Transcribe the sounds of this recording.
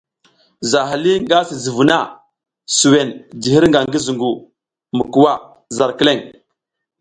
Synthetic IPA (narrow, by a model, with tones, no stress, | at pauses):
za˨ɦa˨li˦ŋɡa˦si˨zi˨vu˨na˦˨ | su˨we˨nd͡ʒi˨hi˦ɾŋɡa˨ŋɡi˦zu˨ŋɡu˨ | mu˨ku˨wa˦˨ | za˨ɾki˦le˦˨ŋ